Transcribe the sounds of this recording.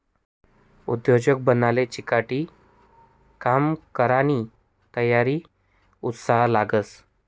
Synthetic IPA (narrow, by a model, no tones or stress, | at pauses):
ud̪jod͡ʑək̚bənalet͡ɕikaʈiː | kamkəɾañi | t̪əjaɾiː | ut̪saɦlaɡəs